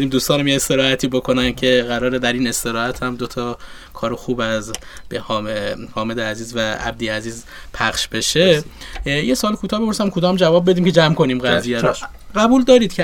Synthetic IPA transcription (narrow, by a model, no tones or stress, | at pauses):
ed̪iːmd̪uːst̪ɒːnæmjeest̪e̞ɾɒːhæt̪ʰiːbo̞kʰo̞næn̥̚cʰe̞ɣæɾɒːɾed̪æɾiːne̞st̪e̞ɾɒːhæt̪ʰhæmd̪o̞t̪ʰɒː | kʰɒːɾexuːbæzbehːehɒːmed̪eæziːzvææ̰b̚d̪iːæziːz | pʰæχʃbe̞ʃe | jesoːlkʰuːt̪ʰɒːhbepoɾsæmkʰod̪ɒːmd͡ʒævɒːb̚ːe̞d̪iːmcʰe̞d͡ʒæmkʰo̞niːmɡæzijæɾo | ɢæbuːld̪ɒːɾiːd̪̥̚cʰe